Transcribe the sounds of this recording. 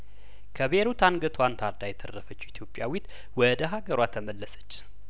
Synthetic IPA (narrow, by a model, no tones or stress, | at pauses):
kʰəβeɾut̪ʰanɡət̪ʰwant̪ʰaɾd̪ajɛt̪ʰərːəfət͡ʃːuit̪ʰjo̞pʼjawit̪ | wɔd̪əɦaɡəɾwat̪ʰəməlːəsə̥t͡ʃː